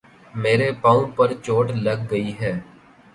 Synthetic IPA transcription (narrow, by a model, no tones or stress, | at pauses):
meːɾepãːũpɐɾt͡ʃoːʈlɐɡːəiɦɛː